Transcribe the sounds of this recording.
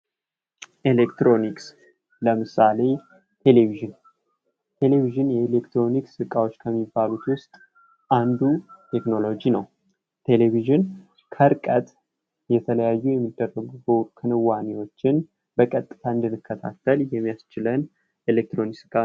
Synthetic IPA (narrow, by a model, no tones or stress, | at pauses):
ʔelekt̪ɾo̞niks | ləmɨsale̞ | t̪ʰe̞leviʒɨn | t̪ʰe̞le̞viʒɨnjɛelekt̪ɾo̞niksɨkʼawo̞t͡ʃːkʰəmːibːalut̪wʊst̪ʼ | ʔand̪ut̪ʰe̞kno̞lo̞d͡ʒinəw | t̪ʰe̞leβiʒɨn | kʰəɾkʼət̪ʼ | jɛt̪ʰələjajːujɛmːid̪ːərːəɡɡəwkʰɨnɨwːanewo̞t͡ʃːɪn | bəkʼət̪ʼːɨ̥t̪ʰaɨnd̪ɨnːɨkːət̪ʰa̰t̪ʰːəljɛmːijast͡ʃɪlən | elek̚t̪ɾo̞niksɨkʼa